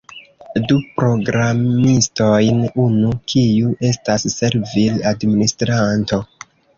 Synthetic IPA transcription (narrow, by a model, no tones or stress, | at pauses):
dupɾo̞ɡɾamisto̞jnunukʰiuʔe̞stasːe̞ɾviladministɾanto̞